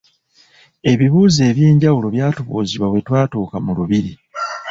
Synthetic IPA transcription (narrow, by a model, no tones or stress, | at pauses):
e̞βiβuːze̞ːβje̞ːɲɟawulo̞βjaːtuβṵːziβwaβwe̞twaːtuːkamuluβiɾi